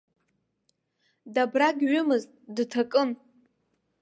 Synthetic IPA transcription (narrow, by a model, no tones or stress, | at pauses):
dabraɡʲɥʊmɨztʼdɨtʰakʼɨm